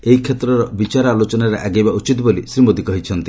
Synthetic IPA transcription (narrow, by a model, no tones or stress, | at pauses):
eɦikʰet̪ɾɔɾɔbit͡ʃaɾɔalot͡ʃɔnaɾeʔaɡejbaut͡ʃit̪bolisɾimod̪ikɔɦit͡ʃʰɔnt̪i